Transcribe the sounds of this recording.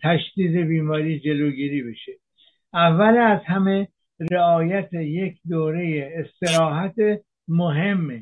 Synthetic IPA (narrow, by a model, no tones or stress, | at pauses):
t̪ʰæʃd̪iːze̞biːmɒːɾiːd͡ʒe̞loːɡiːɾiːbe̞ʃe | ʔævːælæzhæme | ɾeɒːjæt̪ʰejekʰd̪oːɾe̞jeːst̪e̞ɾɒːɦæt̪ʰe | moɦe̞mːe